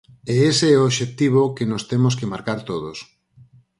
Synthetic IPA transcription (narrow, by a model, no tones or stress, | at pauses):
eeseɛooβʃek̚t̪iβ̞okenost̪emos̬kemaɾkaɾt̪oðos